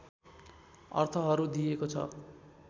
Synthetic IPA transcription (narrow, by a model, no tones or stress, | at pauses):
ʌ̰rt̪ʰʌɦʌɾud̪ijekot͡sʰʌ̰